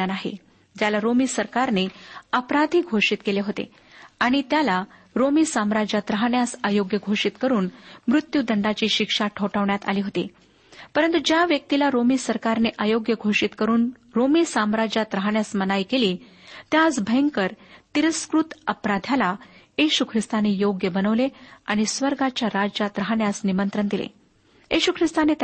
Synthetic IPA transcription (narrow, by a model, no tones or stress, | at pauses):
anaɦḛ | d͡ʑalaɾomiːsəɾkaɾneəpɾad̪ʱiːɡʱoʂiːt̪keleɦot̪ḛ | aɽ̃it̪jalaɾomiːsamɾad͡ʑat̪ɾəɦaɳjasajoɡjəɡʱoʂit̪kəɾuːnmɾut̪jud̪əɳɖat͡ɕiːɕikʂaʈʰəwʈəʋɳjat̪a̰liːɦot̪ḛ | pəɾənt̪ud͡ʑjaʋjək̚t̪ilaɾomiːsəɾkaɾneʔajoɡjəɡʱoʂiːt̪kəɾuːn | ɾomiːsamɾad͡ʑat̪ɾəɦaɳjasmənajkeliːt̪jad͡zbʱəjŋkəɾt̪iɾəskɾut̪əpɾad̪ʱjalajeɕukʰɾist̪anejoɡjəbənəʋleaɽ̃isʋəɾɡat͡ɕjaɾad͡ʑat̪ɾəɦaɳjasnimənt̪ɾənd̪ilḛ | jiɕukʰɾist̪anet̪